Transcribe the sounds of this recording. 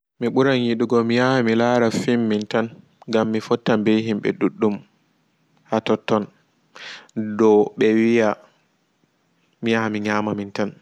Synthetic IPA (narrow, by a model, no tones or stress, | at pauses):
miɓuɾanjiɗuɡɔmijahamilaɾafimːintan | ŋɡamːifɔtːambejɦimɓɛ̰ɗuɗːum | hatɔtːɔn | dɔɓɛwija | mijahamiɲaːmamintan